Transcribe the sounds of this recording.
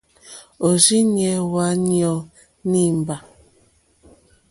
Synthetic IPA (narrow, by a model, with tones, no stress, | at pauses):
o˨zi˦njɛ˨wa˨˦njɔ˨˦ | ni˦˨m˨ba˨